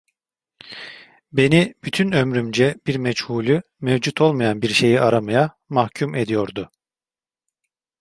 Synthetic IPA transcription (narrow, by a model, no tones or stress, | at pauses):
be̞nib̥yt̪ʰynø̞mɾymd͡ʒɛb̥iɾmɛt͡ʃhuːlʲy | mɛvd͡ʒut̪ʰo̞lˠmajanbiɾʃe̞jiʔaɾamaja | mahcʰume̞d̪ijo̞ɾd̪ʊ